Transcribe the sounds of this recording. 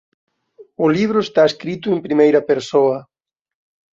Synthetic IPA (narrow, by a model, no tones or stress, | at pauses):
ʊliβ̞ɾʊest̪aeskɾit̪ʊempɾimejɾɐpeɾsoɐ